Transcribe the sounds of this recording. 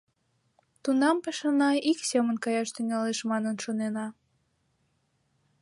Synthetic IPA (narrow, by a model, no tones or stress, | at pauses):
t̪unɑmpeʃɑnɑiksemənkɑjɑʃt̪yŋɑleʃmɑnənʃonenɑ